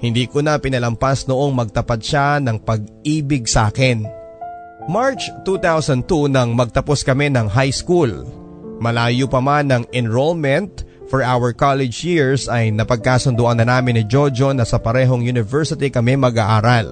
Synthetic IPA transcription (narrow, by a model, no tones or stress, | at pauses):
hɪnd̪iːkonɐpɪnɐlɐmpasnoʔoŋmɐɡ̚t̪ɐpat̪̚ʃanɐŋpɐɡ̚ʔiːbɪɡ̚saːkɪn | maɹt͡ʃt̪ut̪awsɐn̚t̪unɐŋmɐɡ̚t̪ɐposkɐmɛnɐŋɦajskul | mɐlaːjʊpɐmanːɐŋɛnɹolmɛnt̪̚ | fɔɹʔawɛɹkalɛd͡ʒjiɹsɐjnɐpɐɡ̚kaːsʊnd̪ʊʔanːɐnaːmɪnːɪd͡ʒod͡ʒonɐsɐpɐɾɛːɦo̞ŋjunɪvɛɹsɪt̪ikɐmɛmɐɡaʔaːɾal